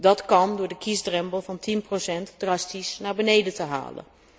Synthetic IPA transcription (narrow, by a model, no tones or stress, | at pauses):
dɑtkɑndʊːɹdəkisdrɛmpəlˠvɑntinprosɛntdrɑstisnaːɹbənejdətəɦa̰ːlə̰n